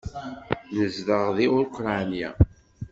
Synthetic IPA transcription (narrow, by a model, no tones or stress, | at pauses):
nəzðəʁðiʊɾqɾˤɑnija̰